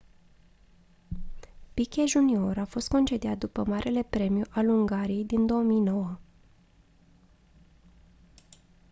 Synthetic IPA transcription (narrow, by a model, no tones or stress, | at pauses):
pikʲeʒunio̞ɾafo̞st̪̚ko̞nt͡ʃe̞d̪eat̪̚d̪upəmaɾʔe̞le̞pɾe̞mjuʔaluŋɡaɾije̞jd̪ind̪o̞omijno̞wə